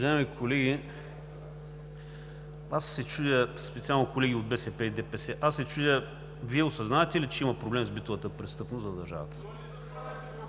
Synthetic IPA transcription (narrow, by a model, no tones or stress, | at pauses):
ɐʒaɛmikʰolɛɡʲi | asːɛt͡ʃud̪ʲəspɛt̪sialˠnokolɛɡʲiod̪̚bɛsɛpɛid̪ɛpɛsɛʔasːɛt͡ʃud̪ʲə | viɛosɐznaɛt̪ɛlit͡ʃɛimɐpɾoblɛmzbit̪ovət̪əpɾɛst̪ɤpnʊszɐd̪ɐɾʒa̰və̰t̪ə̥